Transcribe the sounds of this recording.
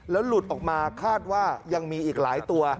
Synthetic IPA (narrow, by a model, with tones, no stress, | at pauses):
lɛː˦˥wlu˨˩t̪ʔɔː˨˩k̚maː˧kʰaː˥˩t̪̚waː˥˩ja˧ŋmiː˧ʔiː˨˩k̚laː˩˦jt̪u˧ɐ